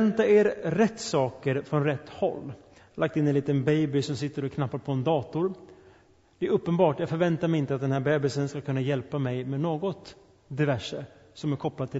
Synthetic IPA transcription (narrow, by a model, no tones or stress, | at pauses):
nt̪aeːɾɾɛt̪ːsɑːkəɾfɾɔnɾɛt̪ːhɔ̰lː | lʔak̚t̪ɪnːɛnliːt̪ənbɛjbɪsɔmsɪt̪ːəɾɔkʰnapːaɾpʰɔɛnd̪ɑːt̪ʊɾ | d̪̥ɛæɾɵpːənbɑːʈjɑːɡfœɾvɛnt̪aɾmɛɪnt̪əat̪d̪ɛnhæːɾbɛːbɪsənskakʰɵnːajɛlpamɛjmɛnoːɡɔt̪ | d̪ɪvæʂːəsɔmæɾkʰɔplad̪t̪ʰːɪ